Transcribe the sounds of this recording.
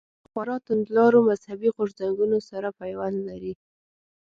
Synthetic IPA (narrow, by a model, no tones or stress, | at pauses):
xwaɾɑt̪ʊnd̪lɑɾomazhabiɣʊʐzaŋɡunosaɾapajwanlaɾi